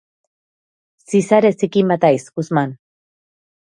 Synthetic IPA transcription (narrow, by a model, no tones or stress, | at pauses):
sisaɾesikimbat̪ajskusman